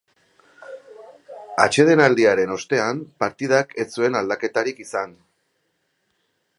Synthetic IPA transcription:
a̰t͡ʃe̞ð̞e̞nald̪iaɾe̞no̞st̪e̞ampaɾt̪ið̞ake̞t͡sue̞nald̪ake̞t̪aɾikisan

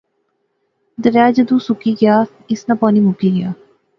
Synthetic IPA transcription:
d̪əʋjaːd͡ʒəd̪usukiɡjaː | ɪsnɐpɔːnimukiɡjaː

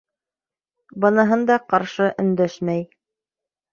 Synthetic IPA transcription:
bɤ̆nɤ̆ɦɤnd̪ɑqɑɾʃɤʔɵ̆nd̪æʃmæj

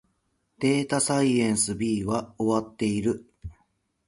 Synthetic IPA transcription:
d̪̥e̞ːt̪asaiẽ̞ɰ̃sɨbʲiːβao̞βat̪ːe̞iɾɯ̟

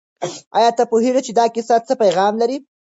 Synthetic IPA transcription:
ɑ̰jɑt̪apoɦeʐat͡ʃed̪ɑkɪsat͡səpajɣɑmlaɾi

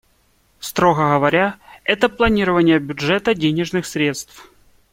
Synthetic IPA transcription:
st̪ɾoɣəɣəvɐɾʲaɛt̪əplˠɐnʲiɾəvənʲɪjəbʲʊʐɛt̪ədʲenʲɪʐnɨxsɾʲe̞t̪st̪f

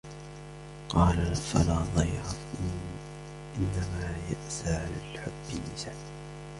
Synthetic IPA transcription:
qɑːlafa̰laːðˤɑjɾɑ | ʔɪnːamaːjaʔsaːʕalalħʊbːɪnːɪsaː

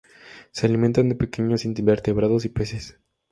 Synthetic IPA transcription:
sealiment̪and̪epekeɲo̞sinbe̞ɾt̪e̞βɾaðos̬ipese̞s

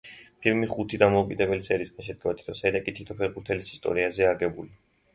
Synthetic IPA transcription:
pʰilmiχut̪ʰid̪amɔukʼid̪ɛbɛlisɛɾisɡanʃɛd̪̚ɡɛvat̪ʰi̥t̪ʰɔsɛɾakʼit̪ʰi̥t̪ʰɔpʰɛʁbuɾt̪ʰɛlisi̥st̪ʼɔ̰ɾiazɛaɡɛbuli

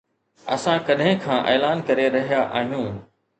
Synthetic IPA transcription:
ɐ̰sãkɐɗɦɪ̃kʰãːʔeːlaːnkɐɾeɾɐɦijaʔa̰ːɦijũː

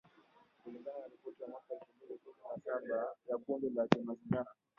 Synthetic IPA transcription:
kuliŋɡananaɾipɔtiwamwakaɛlfuminikuminasaɓajakumɡɛlakɛmaziŋɡaɾa

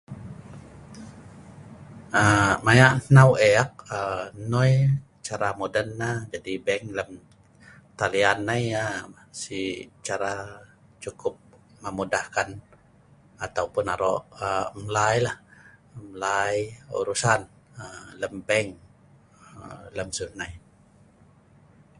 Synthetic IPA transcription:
əmajaʔnnaweak̚ənɔj | t͡ʃaɾamodənːad͡ʒadibɛŋləm | t̪alianːaja | sit͡ʃaɾa | t͡ʃukʊp̚ | məmudahkan | at̪aupʊnaɾɔʔəməlajlahməlajṵɾusan | ələmbɛŋ | ələmsunːaj

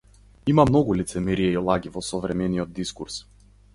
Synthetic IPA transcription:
imamnɔɡulit̪sɛmɛɾiɛiɔlˠaɡʲivɔsɔvɾɛmɛniɔd̪̚d̪iskuɾs

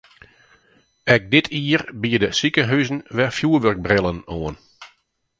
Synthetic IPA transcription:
ɛk̚dɪtʰiərbiədəsikəɦœzn̩ʋɛfjuəʋørɡ̚brɪlˠənoən

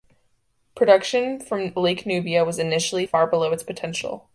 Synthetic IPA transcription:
pʰɹ̥ɨɾʌkʃɨ̃nfɹʌ̃mleɪknʉbiɨwʌzɨnɪʃl̩ˠifɑɹbəloʊɨtspʰɨtʰɛ̃nʃl̩ˠ

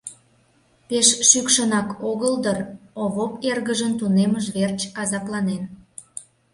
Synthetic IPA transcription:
peʃʃykʃənɑkoɣəld̪əroβoperɣəʒənt̪uneməʒβert͡ɕɑzɑplɑnen

